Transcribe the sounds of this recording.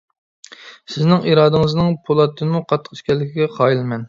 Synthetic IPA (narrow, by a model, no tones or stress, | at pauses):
sɪznɪŋiɾɑːd̪ɨŋɨznɨŋpʰolˠɑt̪ʰːɨmuqʰɑt̪ʰːəqʃkʲɛlːɪkʲʰiɡʲɛχɑːjilmɛn